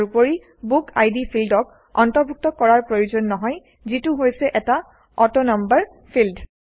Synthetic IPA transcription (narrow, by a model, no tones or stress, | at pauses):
upoɹi | buka̰jdipʰildɔk̚ | ɔ̰ntɔɹbʱuk̚tɔkːɔɹaɹpɹɔjozɔnːɔɦɔj | zituɦojsɛʔɛta | ɔtɔnambaɹ | pʰild